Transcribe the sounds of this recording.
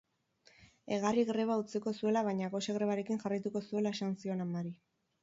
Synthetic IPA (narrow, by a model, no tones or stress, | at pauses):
e̞ɣariɣɾe̞β̞aut͡siko̞sue̞laβ̞ajɲaɣo̞seɣɾe̞βaɾe̞kiŋʝarajt̪uko̞sue̞laeʃansio̞namaɾi